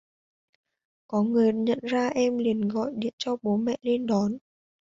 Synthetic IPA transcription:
kɔ˨˦ŋɨ˨˩əɲə̰˧˨nzaː˧ʔɛ˧mli˨˩ənɣɔ̰˧˨jɗi˨˧˩ənt͡ɕɔ˧ɓo˨˦mɛ̰˧˨le˧nɗɔ˨˦n

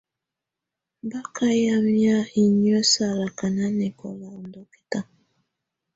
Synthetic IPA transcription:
ba˦ka˦ja˦mi˦a˦i˨ɲɔ˦sa˨ɾa˨ka˨na˦nɛ˨kɔ̰˨la˨u˨ndɔ˨ki̥˦ta˦

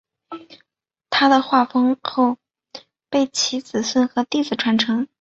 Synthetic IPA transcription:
t̪ʰa˥d̪ə˨xwa˥˩fɤ˥ŋxo˥˧ʊ | pe˥˩ɪt͡ɕʰi˧˥t͡sɹ̩˨˩swə˥˩nxɤ˧˥t̪i˥˩d͡zɹ̩˨˩ʈ͡ʂʰwa˧˥nʈ͡ʂʰɤ˧˥ŋ

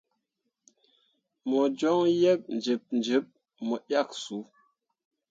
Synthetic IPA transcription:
mɔ˨d͡ʒɔ˦ŋjɛ˦p̚n̩˨d͡ʒə˨p̚n˨d͡ʒə˨˦p̚ | mɔ˨ja˦˨k̚su˨˦

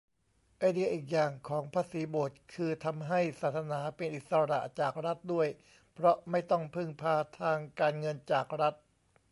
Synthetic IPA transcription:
ʔa˧jdi˧˥ɐʔiː˨˩k̬̚jaː˨˩ŋkʰɔː˩˦ŋpʰaː˧siː˩˦boː˨˩t̪̚kʰɯː˧t̪ʰa˧mɦa˥˩jsaː˨˩t̪̚sa˧naː˩˦pe˧nʔi˨˩t̪̚sa˧ɾa̰˨˩ʔt͡ɕaː˨˩k̚ɾa˦˥t̪̚du˥˩əj | pʰɾɔ˦˥ma˥˩jt̪ɔ˥˩ŋpʰɯ˥˩ŋpʰaː˧t̪ʰaː˧ŋkaː˧nŋɤ˧nt͡ɕaː˨˩k̚ɾa˦˥t̪̚

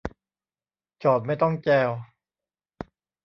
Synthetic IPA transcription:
t͡ɕɔː˨˩t̪̚ma˥˩jt̪ɔ˥˩ŋt͡ɕɛː˧w

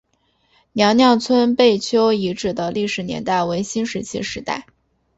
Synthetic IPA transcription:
njɑ˧˥ŋnjɑ˥˩ŋt͡sʰwə˥npe˥˩ɪt͡ɕʰjo˥ʊi˧˥ʈ͡ʂɻ̩˥˩d̪ə˨li˥˩ʂɻ̩˨˩njɛ̰˧˥nt̪a˥˩ɪwe˧˥ɪɕi˥nʂɻ̩˧˥t͡ɕʰḭ˥ʂɻ̩˧˥t̪a̰˥˩ɪ

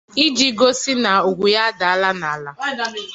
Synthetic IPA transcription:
i˦d͡ʒi˦ɡo˦si˦na˨ʊ˨ɡʷu˨ja˦da˨a˦la˦na˨a˦˨la˦

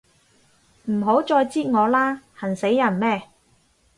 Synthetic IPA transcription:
m̩˨˩ɦo˨˥wt͡sɔː˧jt͡siː˥ŋɔː˨˧laː˥hɐ˨˩nse˨˥jːɐ˨˩nmɛː˥

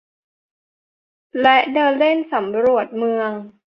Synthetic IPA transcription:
lɛ˦˥ʔdɤː˧nle˥˩nsa˩˦mɾu˨˩ə˩t̪̚mɯ˧əŋ

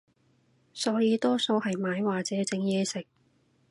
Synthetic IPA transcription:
sɔː˨˥jiː˨˧t̪ɔː˥so˧whɐ˨jmaː˨˧jwaː˨k̚t͡sɛː˨˥t͡sɪ˧ŋjɛː˧sɪ˨˩k̚

